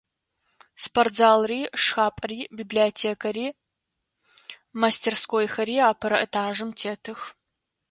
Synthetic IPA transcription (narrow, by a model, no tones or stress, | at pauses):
spʰɐrtzaːlriːʂxaːpʼɐriːbibliotʰeːkʰɐɾiː | mastʰerskoːjxɐɾiːaːpʰɐɾɐʔɐtʰaːʒɨmtʰeːtʰɨx